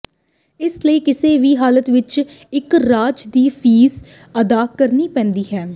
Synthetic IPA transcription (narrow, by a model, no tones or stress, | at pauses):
ɪsləiːkɪseːʋiːɦaːlət̪ʋɪt͡ʃɪkɾaːd͡ʒd̪iːpʰiːz | əd̪aːkəɾniːpɛ̃ːnd̪iːɦɛː